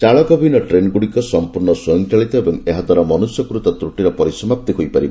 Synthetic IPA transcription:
t͡ʃaɭɔkɔbʱinɔʈɾenɡuɽikɔsɔmpuɾnɔswojɔŋt͡ʃaɭit̪ɔebɔŋeɦad̪ʱwaɾɔmɔnusjɔkɾut̪ɔt̪ɾuʈiɾɔpɔɾisɔmap̚t̪iɦojpaɾib

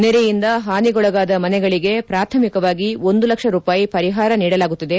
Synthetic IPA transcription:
neɾɛjind̪ɐɦaːniɡɔɭɐɡaːd̪ɐmɐnɛɡɐɭiɡe̞pɾaːt̪ʰɐmikɐʋaːɡio̞nd̪ulɐkʂɐɾuːpaːjipɐɾiɦaːɾɐniːɽɐlaːɡut̪ːid̪e

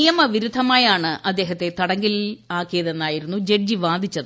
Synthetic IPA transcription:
ijɐmɐʋiɾud̪ʱːɐmaːjaːɳɨʔɐd̪ːe̞ːɦɐt̪ːe̞t̪ɐɽɐŋɡilaːkːijɐðenːaːjiɾunːud͡ʑe̞ɖ̚d͡ʑiʋaːd̪ʱit͡ɕːɐðɨ

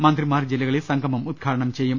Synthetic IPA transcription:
mɐnt̪ɾimaːɾd͡ʒilːɐɡɐɭesɐŋkɐmɐmud̪̚ɡʰʱaːʈɐɳɐmt͡ʃɛːjɐm

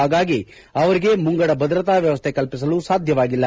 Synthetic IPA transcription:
aːɡaːɡi | ɐʋɐɾiɡe̞muŋɡɐɽɐbʱɐd̪ɾɐt̪aːʋjɐʋɐst̪ʰekɐlpis̬ɐlusaːd̪ʱjɐʋaːɡilːɐ

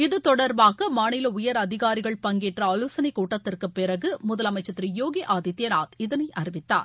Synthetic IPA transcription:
ɪðɯt̪ɔɽɐɾbaːɣɐmaːnɪlɐʊjɐɾɐðɪɣaːɾɪɣɐɭpɐŋɡeːʈrɐɐlɯsɐnɐɪkuːʈːɐt̪ːɪrkɯpːɪɾɐɣɯmʊðɐlɐmɐɪt͡ʃːɐt̪ːɾijoːɡeʔaːðɪt̪ːenaːt̪ɪðɐnɐɪʔɐɾɪʋɪt̪ːa̰ːɾ

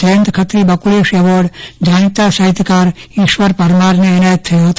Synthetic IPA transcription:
dəjənt̪kʰət̪ɾibəkuleʃɛʋɔɾɖd͡ʒañit̪asəɦit̪ːkaɾiʃʋəɾpəɾmaɾneːnajət̪ʰːəjoɦət̪o

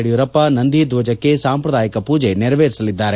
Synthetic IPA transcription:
ɽijuɾɐpːɐnɐnd̪ʱid̪ʋɐd͡ʒɐkːe̞saːmpɾɐd̪aːjɐkɐpuːd͡ʒe̞nɛɾɐʋeːɾisɐlid̪ːaːɾe

